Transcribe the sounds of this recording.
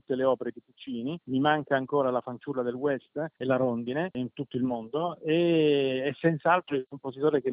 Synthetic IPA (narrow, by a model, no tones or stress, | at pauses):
ut̪ːeleɔːpeɾed̪ikut͡ʃːiːnimimaŋkaːŋkoːɾalafant͡ʃulːad̪elwɛst̪elaɾond̪ineint̪ut̪ːoilmond̪oeɛsːɛnt̪saalt̪ɾoilkomposit̪oːɾeke